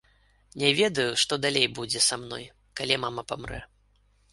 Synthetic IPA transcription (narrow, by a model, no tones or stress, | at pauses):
nʲɛvʲɛd̪ɐjuʂt̪ɔd̪alʲejbud͡zʲɛsamnɔj | kalʲimamɐpamrɛ̰